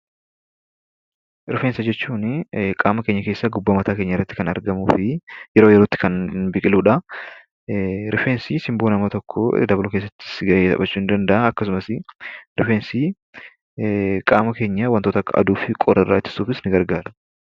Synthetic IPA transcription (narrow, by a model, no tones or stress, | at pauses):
ɾɪfeːnsɐd͡ʒɛt͡ʃːuːnkʼaːmɐkeːɲːɐke̞ːsːɐɡʊbːɐmɐt̪aːkeːɲːɐɪrːɐt̪ːɪ̥kɐnɐ̰ɾɡɐmuːfɪjɛɾoːjɛɾoːt̪ːɪ̥kɐnbɪkʼɪluːᶑɐ | ɾʔɪfeːnsisɪmboːnɐmɐt̪ɔkʰːɔd̪ɐbɐlʊke̞ːsːɐt̪ːɪ̥sɡɐʔeːt̪ɐ̰bɐt͡ʃːuːɪnd̪ɐnd̪ɐʔɐɐkːɐsʊmɐsɪɾɪfeːnsi | kʼaːmɐke̞ːɲːɐwɐnt̪ot̪ɐkːɐ̰d̪uːfɪkʼɔɾɐɪrːa̰ːɪt̪ːɪ̥suːfɪsnɪɡɐɾɡaːɾɐ